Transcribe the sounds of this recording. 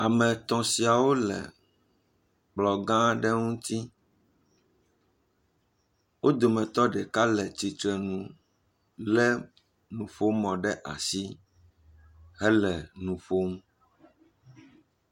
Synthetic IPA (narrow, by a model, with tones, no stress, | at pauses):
a˨mɛ̃˨t̪ɔ̃˨si˨a˨wo˦lɛ̰˨ | k͡plɔ˨ɡã˦ɖɛ˦ŋũ˦t̪i˦ | wo˦d̪o˨mɛ̃˨t̪ɔ˦ɖɛ˨ka˦lɛ˨t͡ɕi˨t̪ɾɛ˨nũ˨ | lɛ˦ | nũ˨fo˦mɔ̃˨ɖɛ˦ʔa̰˨si˦ | ɦɛ˦lɛ˨nũ˨fo˦m̩˦